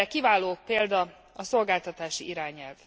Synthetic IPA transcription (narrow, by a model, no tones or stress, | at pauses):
ɛkivaːloːpeːld̪ɒ | ɒso̞lɡaːlt̪ɒt̪aːʃiiɾaːɲɛlv